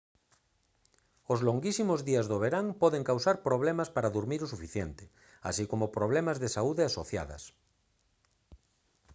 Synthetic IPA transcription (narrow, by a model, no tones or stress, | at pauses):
ozloŋɡisimozðiazðoβ̞eɾaŋpɔðeŋkawsaɾpɾoβ̞lemaspaɾaðuɾmiɾosufiθjent̪ɪ̥ | a̰sikomopɾoβ̞lemazðesauðeasoθja̰ðɐ̰s